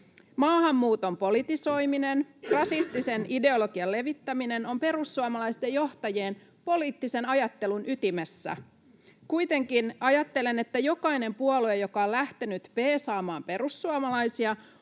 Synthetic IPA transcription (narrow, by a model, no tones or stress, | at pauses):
mɑːhɑmːuːt̪o̞mpo̞lit̪iso̞jminenrɑsist̪ise̞nide̞o̞lo̞ɡ̥iɑle̞ʋit̪ːæmine̞no̞mpe̞ɾusːuɑmɑlɑist̪e̞jjo̞ht̪ɑje̞ːn | po̞liːt̪ːise̞nɑjɑt̪ːe̞lunʔyt̪imesːæ̰ | kuit̪e̞ŋkinɑjɑt̪ːe̞le̞ne̞t̪ːæjo̞kɑjne̞mpuoluejo̞kɑolæht̪enyt̪pe̞ːsɑːmɑːmpe̞ɾusːuɑmɑlɑjsiɑ